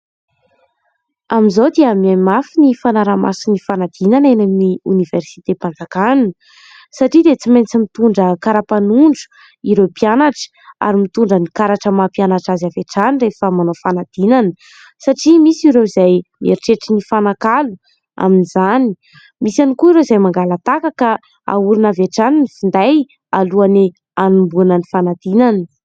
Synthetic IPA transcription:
aminzod̪eamamafinifanaɾama̰sinifanad̪̥inanenamniuniversi̥t̪epand͡zakannə | saʈ͡ʂid̪et͡simajnt͡simit̪uɳɖ͡ʐəkaɾapanuɳɖ͡ʐu̥ | iɾepianaʈ͡ʂə̥ | a̰ɾimit̪uɳɖ͡ʐənikaɾaʈ͡ʂəmapianaʈ͡ʂazaveʈ͡ʂanirefəmanofanad̪̥inanə | saʈ͡ʂimisiɾewizajmeɾiʈ͡ʂeʈ͡ʂinifanakalu | a̰minizani | misanikuiɾezajmaŋɡalat̪akaka | a̰uɾinaveʈ͡ʂaninifind̪aj | aluane | anumbunanifanad̪inanə̥

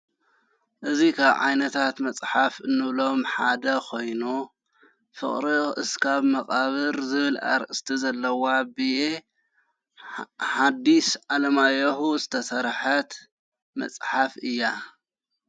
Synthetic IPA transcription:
ʔɨzikʰaβʕa̰jnɐt̪ʰat̪mɐt͡sʼħafɨnːɨβlo̞mħad̪ɐkʰo̞jnu | fɨ̰χʼɾiʔɨskʰaβmɐkʼaβɨɾzɨβɨlʔa̰ɾɨst̪ʰizɐlːɐwabie | ħad̪isʕalɐmajɐhuzɨt̪ʰɐsɐɾħɐt̪ | mɐ̰t͡sʼħafɨjːa

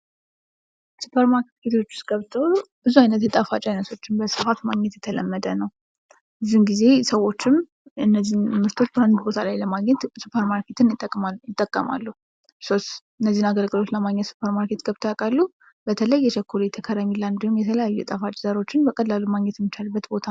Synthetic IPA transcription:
supʰəɾmaɾket̪kʰe̞t̪ʰo̞t͡ʃːɪ̥sɡəβt̪ʰəolbɨzuajnət̪jɛt̪ʼafat͡ʃʼajnət̪ʰo̞t͡ʃːɪnbəsɨfat̪maɡɲɛt̪jɛt̪ʰələmːəd̪ənəw | ɨzːimɡize̞səwːo̞t͡ʃːɪm | ɨnːəzːinmɨɾt̪ʰo̞t͡ʃːband̪ubo̞t̪ʰəlajləmaɡɲɛt̪supʰəɾmaɾkʰe̞t̪ʰɨnt̪ːʼjɪt̪ʼːəkʼːəma̰lːuhu | so̞st̪ | ɨnːəzːinaɡəlɡɨlo̞t͡ʃləmaɡɲːɛt̪su̥pʰəɾmaɾkʰe̞t̪ɡ̥əβt̪ʰojakʼalːu | b̥ət̪ʰələjːɛʃəkʰːolejɛt̪ʰəkʰəɾamiland̪ohumjɛt̪ʰələjajːujɛt̪ʼafat͡ʃʼzəɾo̞t͡ʃːɪnbəkʼəlalːumaɡɲɛt̪jɛmːɨt͡ʃalɨbːət̪bo̞t̪ʰa

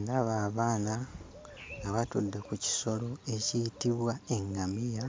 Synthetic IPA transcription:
ndaβaːβaːna | ŋɡaβatud̪ːe̞kuci̥so̞lo̞e̞cijitiβwae̞ŋɡamija

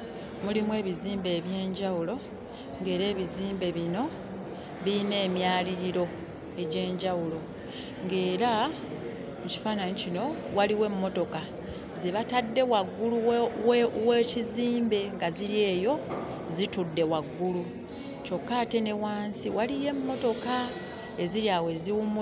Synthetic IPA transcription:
mulimwe̞ːβiziːmbe̞ːβje̞ːɲɟawulo̞ | ŋɡe̞ːɾe̞ːβiziːmbe̞βino̞ | βiine̞ːmjaːliɾiɾo̞ | e̞ɟe̞ːɲɟawulo̞ | ŋɡe̞ːɾa | muci̥faːnanicino̞waliwe̞mːo̞to̞ka | zeβatadːe̞waɡːuluwweːciziːmbe̞ŋɡaziɾje̞ːjo̞ | zitudːe̞waɡːulu | co̞kːaːte̞ne̞waːnsiwalije̞mːo̞to̞ka | eziɾjawe̞ziwumː

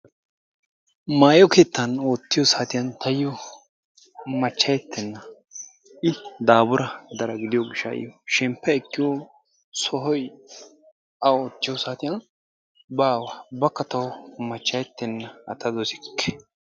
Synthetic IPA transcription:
maːjɔkeːt̪ːɐnoːt̪ːɪjɔsaːt̪ɪjɐnt̪ʰɐjjɔ | mɐt͡ʃːɐjɛt̪ːɛnːɐ | ɪd̪aːbʊɾɐd̪ɐɾɐɡɪd̪ɪjɔɡɪʃːɐ̰ʔɪ̰jɔʃɛmpːɛɛkːɪwɔ | sɔɦɔj | ɐoːt̪ːɪjɔsaːt̪ɪjɐn | baːwɐbɐkːɐt̪ɐwmɐt͡ʃːɐjɛt̪ːɛnːɐɐ̰t̪ɐd̪ɔsɪ̥kːɛ̥

